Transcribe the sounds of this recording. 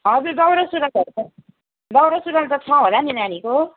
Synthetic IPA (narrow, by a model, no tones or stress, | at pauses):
ɦʌd͡zuɾd̪ʌwɾʌsuɾʌkd̪ʌɾ | d̪ʌwɾʌsuɾʌnt̪ʌt͡sʰʌɦolaninaɽ̃iko